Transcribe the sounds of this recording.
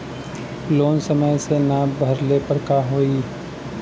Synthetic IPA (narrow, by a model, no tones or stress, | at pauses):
loːnsəməjsenabʱɐɾlepɐɾkaːɦoːi